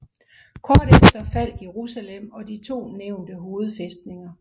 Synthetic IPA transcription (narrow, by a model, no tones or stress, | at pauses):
kʰɒːd̥efd̥ɐfæl̰̥je̝ʁusælem̰ɒ̽d̥it͡sʰo̝̰ːneʊ̰nd̥əɦo̝ːð̞̩ˠfesd̥ne̝ŋɐ